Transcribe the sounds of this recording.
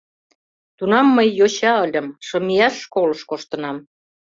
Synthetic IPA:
t̪unɑmːəjːot͡ɕɑə̆lʲə̆mʃɤ̆miɑʃːkolɤ̆ʃkoʃt̪ɤ̆nɑm

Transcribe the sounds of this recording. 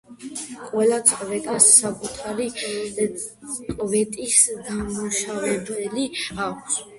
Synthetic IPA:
qʼwɛlat̪sʼqʼvɛt̪ʼasːakʼut̪ʰaɾi | kʼvɛt̪ʼisd̪amuʃavɛbɛliʃaks

